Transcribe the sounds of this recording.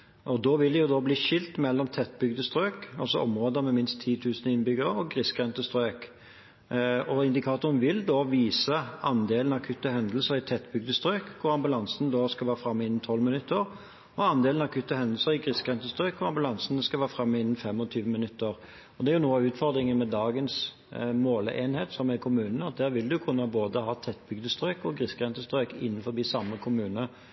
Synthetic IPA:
ʔɔd̪oːʋɪld̪ɛjʊd̪ɔːbliːʃɪlt̪mɛlːɔmt̪ʰɛt̪ːbʏɡd̪əst̪ɾøːkɑ̰lsɔʔɔmʁoːd̪əmɛmɪnst̪ʰːiːt̪ʰʉːsnəɪnbʏɡəɾəɔɡʁɪskʁɛnt̪əst̪ɾøːk | ɔɪnd̪ɪkʰɑːt̪ʊɾənʋɪld̪oːʋiːsəɑnd̪eːlənɑkʰʉt̪ːəhɛnd̪lsəɾɪt̪ʰɛt̪ːbʏɡ̚d̪əst̪ɾøːkkʰʊɾɑmbʉlɑnsənd̪oskɑʋæːʁəfɾɑmːəɪnːn̩t̪ʰɔlmɪnʉt̪ːəʁ | ɔɑnd̪eːln̩ɑkʰʉt̪ːəhɛnd̪l̩səɾɪɡʁɪskʁɛnt̪əst̪ɾøːkʰʊɑmbʉlɑnsənəskɑlʋæːʁfɾɑmːəɪnːn̩fɛmːɔt̪ʰyːʋəmɪnʉt̪ːəʁ | ɔd̪ɛæɾjʊnuːəɑʉːt̪fɔʁd̪ɾɪŋənmɛd̪ɑːɡəns | moːlḛːnheːt̪sɔmɛɪkʰʊmʉːnnəɑt̪̚d̪æːʁʋɪld̪ʉkʰʉnːəboːd̪əhɑːt̪ʰɛt̪ːbʏɡd̪əst̪ɾøːkɔɡʁɪskʁɛnt̪əst̪ɾøːkɪ̰nːənfɔɾbiːsɑmːəkʰʊmʉːnə

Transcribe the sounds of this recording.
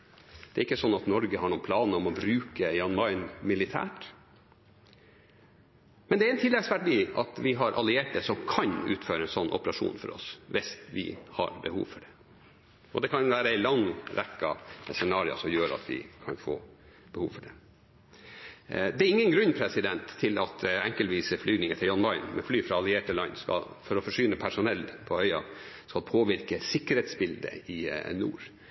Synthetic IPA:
d̪̥ɛːɾɪkːəsɔnːɑt̪nɔɾɡəhɑɳuːpʰlɑːnəɾɔmɔbɾʉːkəjɑnmɑɪnmɪlɪt̪ʰæ̰ːʈ | mɛnd̪ɛæɾɛnt̪ʰɪlːɛɡsʋæʈdiːɑt̪ʋɪɦɑɾʔɑlɪeːʈ̚d̪ɛsɔmkʰɑnʉ̰ːt̪føːɾəɛnsɔnːʔɔpəɾɑʂṵːnfɔ̰ɾɔ̰sʋɪst̪ʋɪ̰hɑ̰ɾbəhṵːʋfɔɖɛ | ʔɔd̪ɛkʰɑnʋæːɾəæɪlɑŋɾɛkːɑsɛnɑːɾɪə̰sɔmjøːɾɑ̰t̪ʰʋɪ̰kʰɑnfo̰ː | b̥ɛhuːʋfɔɖɛ | d̪ɛæɾɪŋːənɡɾʉɲːpʰɾɛsɪd̪ɛnt̪ʰːɪlɑt̪ɛŋkəlʋiːsəflyːdnɪŋət̪ʰɪljɔnmɑɪnmɛflyːfɾɑɑlɪeːʈəlɑnːskɑ̰l | fɔɾɔfɔʂʏːnəpʰæʂʊnɛlːpʰɔœʏɑ̰ | skɑlpʰoːʋɪɾkəsɪkːəɾheːt̪sbɪld̪ə̰ɪnṵːɾ

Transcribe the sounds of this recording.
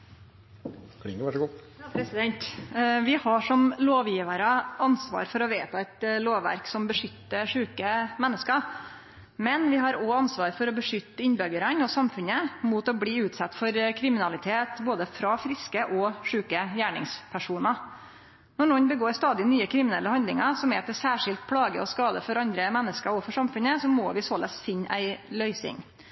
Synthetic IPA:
kʰlɪŋəʋæʂɡɔpjɑːpʰɾɛsɪd̪ɛnt̪ʋɪhɑʂɔmloːʋjiːʋəɾəɑnsʋɑ̰ːɾfɔɾɔʋeːt̪ɑɛt̪loːʋʋæ̰ɾksɔmbəʂʏt̪ːəʂʉːkəmɛnːəskə | mɛnʋɪɦɑɾɔɑnsʋɑːɾfɔɾɔbəʂʏt̪ːəɪnbœɡəɾənɔsɑmfʉnəmut̪ɔbliːʉːt̪sɑt̪ːfɔɾkʰɾɪmɪnɑlɪt̪ʰeːt̪boːd̪əfɾɑfɾɪskəʔɔʂʉːkəjæːɳɪ̰ŋspʰæʂuːnɑ | nɔɳɔnbəɡoːɾst̪ɑːd̪ɪnyːəkʰɾɪmɪnɛlːəhɑnd̪lɪŋɑsɔmɛ̰ːt̪əsæːʂɪlt̪̚pʰɽɑːɡəɔskɑːd̪əfɔɾɑnd̪ɾəmɛnːəskəɾɔfɔʂɑmfʉnəsɔmoːʋɪsoːlɛ̰sfɪnːæ̰ɪlœʏsɪ̰ŋ

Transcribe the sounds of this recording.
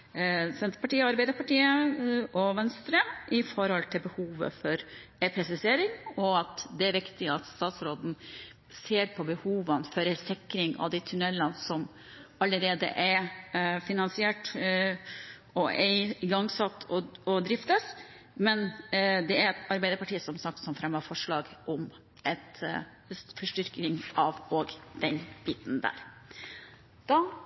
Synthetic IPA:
sɛnt̪əɾpɑʈiːəɑɾbæɪd̪əɾpʰɑʈiːəʔɔʋɛnst̪ɾəmʔɪfɔɾhɔlt̪ʰɪlbəhuːʋə̰fɔɾɾɛpʰɾɛsɪseːɾɪŋɔɑt̪d̪ɛæɾʋɪkt̪ɪɑt̪st̪ɑːt̪sɾoːd̪n̩ | seːɾpʰɔbəhuːʋənfœɾɛsɪkːɾɪŋɑ̰ʋd̪ɛt̪ʰʉnɛlːənsɔm | ɑlːəɾeːd̪ə̰ʔɛɾfɪnɑnsɪɛʈ | ɔʔɛɪɡɑŋsɑt̪ːʰɔɔd̪ɾɪft̪əs | mɛnd̪ɛæɾɛt̪ʰɑɾbæɪd̪əɾpɑʈiːəsɔmsɑk̚t̪sɔmfɾɛmːəɾfɔʂɭɑːɡʔɔm | ɛt̪ | sfɔʂʈʏɾknɪŋɑʋoɡd̪̥ɛnb̥iːt̪n̩d̪æ̰ːɾ | d̪̥ɑː

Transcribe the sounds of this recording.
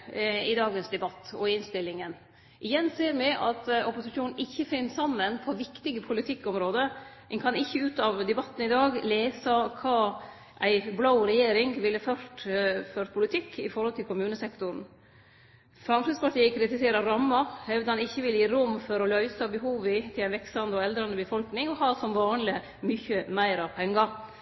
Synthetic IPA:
ɪd̪ɑːɡənsd̪ɛbɑt̪ːɔ̰ɪnst̪ɪlːɪŋən | ʔɪjɛnseːɾmɪʔɑ̰t̪ɔpʊsɪʃuːnn̩ɪçːəfɪnːəsɑmːənpʰɔʋɪkt̪ɪɡəpʰʊlɪt̪ʰɪkːɔmɾoːd̪əmɛnkʰɑnɪçːəʉːt̪ɑʋd̪ɛbɑt̪ːn̩ɪd̪ɑːɡleːsɑkʰɑː | ʔæɪblaʊɾɛjeːɾɪŋʋɪlːəfœʂʈføːɾpʰʊlɪt̪ʰɪkːɪ̰fɔɾhɔlt̪ʰɪlkʊmʉːnəsɛkt̪ʊɾn̩ | fɾɑmfɾɪd̪spʰɑʈiːəkʰɾɪt̪ɪseːɾɑɾɑmːɑhɛʋd̪əɑnɪçːəʋɪljiːɾʊmːfɔɾɔlœʏsɑbəɦuːʋɪt̪ʰɪlæɪnʋɛkst̪ɑnɔɛld̪ɾɑnd̪əbəfɔlknɪŋɔhɑːsɔmʋɑːnlɪ | mʏçəmæɪɾɑpʰɛŋːɑɾ

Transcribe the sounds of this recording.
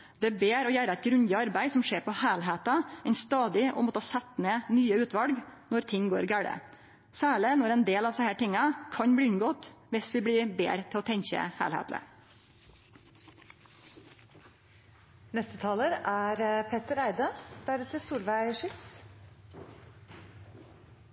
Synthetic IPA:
d̪̥ɛbeːɾoːjæːɾəæɪt̪ɡɾʉnd̪əɑɾbæɪsɔmʂeːɾpʰɔhæːlɦeːt̪ɑɛɪnst̪ɑːd̪ɪʔo̰ːmɔt̪ːəɑsɛt̪neːnyːəʉːt̪ʋɑlɡnɔɾt̪ʰɪŋɡoːɾɡæːɽə̰ | sæːɭɪnɔɾɛɪnd̪eːlɑʋsɛhæːʈɪŋːɑkʰɑɲbɽɪːʉnɡoːt̪ʋɪsʋɪbɽɪːbḛːɾt̪ʰɪlɔːt̪ʰɛɲçə̰hæ̰ːlhḛːt̪lə̰ | nɛst̪ət̪ʰɑːləɾæːɾpʰɛt̪əɾæɪd̪əd̪̥æɾɛt̪əsuːlʋæɪʂɪt̪s

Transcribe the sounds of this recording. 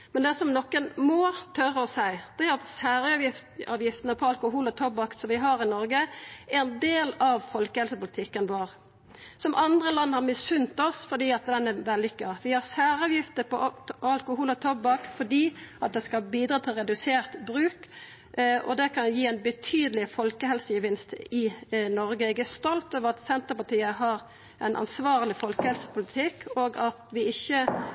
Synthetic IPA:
mɛnd̪ɛæsɔmnɔkːənmɔt̪ʰœɾəɔsæɪd̪̥ɛæɾɑt̪sæːɾɑɑːʋjɪft̪ənəpʰɔɑlkʊɦuːlɔt̪ʰɔbɑksɔmʋɪɦɑʁɪnɔɾɡəɛnd̪eːlɑʋfɔlkəhɛlsəpʊlɪt̪ʰɪkːənʋoːʁ | sɔmʔɑnd̪ʁəlɑnːhɑʁmɪsʉnt̪ɔsfɔd̪iːɑt̪̚d̪ɛnɛʋɛlːɪkːɑʋɪhɑʁsæːʁɑːʋjɪft̪əpʰɔɑlkʊhuːlɔt̪ʰɔbːɑkfɔd̪iːɑt̪̚d̪ɛskɑbiːd̪ɾɑːt̪ʰɪlʁɛd̪ʉseːʁt̪bɾʉːk | ʔɔ̰d̪ɛkʰɑnjiːæɪnbət̪ʰyːd̪əlɪfɔlkəɦɛlsəjəʋɪnst̪ɪnɔʁɡəɛɡæst̪ɔlt̪oːʋəʁɑt̪sɛnt̪əpɑt̪iːəɦɑɾ | ʔɛɪnʔɑ̰nsʋɑːʁəlɪfɔlkəhɛlsə̥pʰʊlɪt̪ʰɪkːʰoːɡɑt̪ʋɪɪçːə

